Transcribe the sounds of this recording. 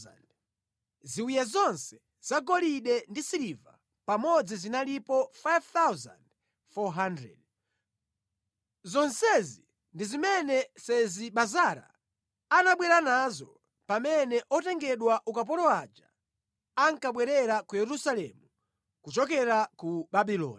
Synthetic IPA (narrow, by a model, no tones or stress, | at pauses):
d | ziujazɔnsɛ̥ | z̥aɡɔliɗɛndisiɾiva | pamɔd͡zizinalipɔfajvt̪awza̰nd | fɔɦandɾɛ̰d̚ | zɔnsɛzi | ndizimɛnɛsɛziɓazaɾa̰ː | naɓwɛɾanazɔ | pamɛnɛʔɔtɛŋɡɛɗwaʔukap̬ɔɾɔad͡ʒa̰ | aŋkaɓwɛɾɛɾakujɛɾusalɛ̰mu | kut͡ʃɔkɛɾakuɓaɓilɔ̰ːni